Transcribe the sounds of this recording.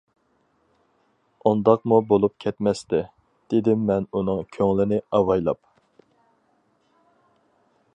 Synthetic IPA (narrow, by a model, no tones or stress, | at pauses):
und̪ɑqmubolˠup̚kʲʰɛt̪mɛst̪ɪ | d̪̥ed̪ɪmːɛnunɨŋkʲʰøŋlɪnɪɑwɑjlˠɑ̰p